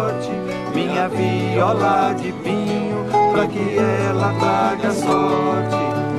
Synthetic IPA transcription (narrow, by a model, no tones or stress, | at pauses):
ɾt͡ʃɪ | mĩɲɐviɔlad͡ʒɪvĩɲʊpɾɐkɪɛɛlɐvaɡɐsɔɾt͡ʃɪ